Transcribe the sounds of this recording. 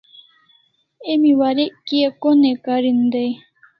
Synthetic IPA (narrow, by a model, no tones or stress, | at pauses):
emiwaɾeʔkiekonekaɾind̪ej